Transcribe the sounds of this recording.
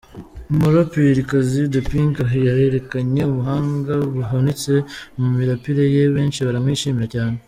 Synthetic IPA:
moɾopiɾikazidopiŋkajaɾe̞ɾe̞kaɲe̞uβuɦaːŋɡaβuɦanit͡se̞mumiɾapiɾejeβe̞ːnʃiβaɾamwiʃiːmiɾacaːne

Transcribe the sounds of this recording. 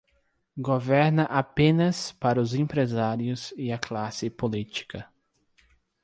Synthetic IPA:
ɡovɛɾnɐʔapẽnɐspaɾɐʊzẽpɾezaɾiʊsɪɐklasɪpolit͡ʃi̥kɐ

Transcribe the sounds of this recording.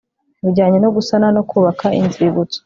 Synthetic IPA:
βuɾɟaːɲe̞noɡusananokʰuːβakʰaʔḭnziβut͡so̥

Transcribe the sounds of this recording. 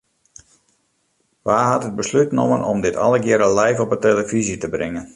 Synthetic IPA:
ʋaːɦatɦəd̚bəslytno̰mə̰nʔɔmdɪtʰɑ̰ləɡjɪɾəlɛjfɔpəteləvizitəbrɪŋən

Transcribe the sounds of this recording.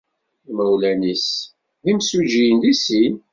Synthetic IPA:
mæwlænis | ðimsuʒijənlisin

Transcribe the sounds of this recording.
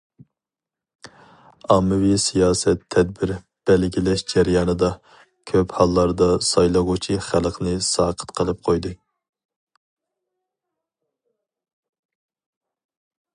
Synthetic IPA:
ɑːmɨwisijɑːsɛt̪ʰːɛd̪̚bɪɾ | b̥ɛlɡʲilɛʃd͡ʒɛɾjɑːnɨd̪ɑ | kʲʰøphɑlˠːɑɾd̪ɑsɑjlˠɨʁʊt͡ʃʰiχælˠqʰnɨsɑːqʰə̥t̪qʰəlˠɨp̚qʰojd̪ɨ

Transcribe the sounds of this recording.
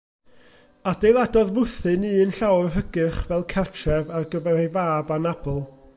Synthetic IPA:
adejlˠadɔðvʊθɨniːənɬawrɦəɡɨχvɛlˠkʰɛrtʰrɛvarɡəvɛrivaːbanab̥ɔlˠ

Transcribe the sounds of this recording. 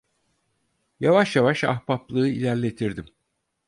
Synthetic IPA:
javaʃjavaʃa̰xpaplˠɯːilʲæɾlʲe̞t̪ʰiɾd̪im

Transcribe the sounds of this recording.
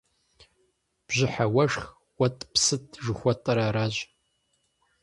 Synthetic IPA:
b̥ʑɪħawɐʂx | wɐtʼpsɨtʰʒɨxʷɔtʼɐɾaːɾaːʑ

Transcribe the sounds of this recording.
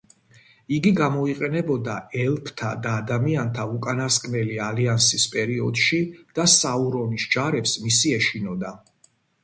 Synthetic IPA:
iɡiɡamɔiqʼɛnɛbɔd̪aɛlˠpʰt̪ʰa̰d̪aːd̪amiant̪ʰaukʼanaskʼmɛlialiansispʼɛɾiɔd̪ʃid̪̥asauɾɔnisd͡ʒaɾɛpsmisiɛʃinɔd̪a

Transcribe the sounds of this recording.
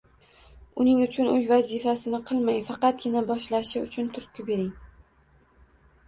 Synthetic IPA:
ʊnɪŋʊt͡ʃʰʊnɵjvazifasɪnɪqʰɨlˠmajfɑqɑt̪̚ɡʲɪnabɒʃlaʃɪʊt͡ʃʰʊnt̪ʰʊɾt̪kʲʊbe̞ɾɪŋ

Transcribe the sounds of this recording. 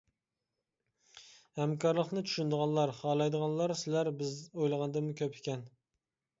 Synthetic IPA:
hɛmkʰɑɾlˠəqnɨt͡ʃʰy̥ʃynd̪əʁɑnlˠɑɾhɑːlˠɑjd̪əʁɑnlˠɑɾsɪlæɾbɪzojlˠəʁɑnd̪ɨmukʲʰøpʰɪ̥kʲɛn

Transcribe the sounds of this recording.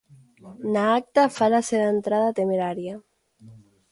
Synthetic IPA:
naak̚t̪afalaseðaent̪ɾaðat̪emeɾaɾja

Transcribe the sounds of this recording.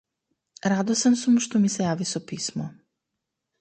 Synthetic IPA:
ɾad̪osamsumʃt̪omisejaːʋisopiːsmo

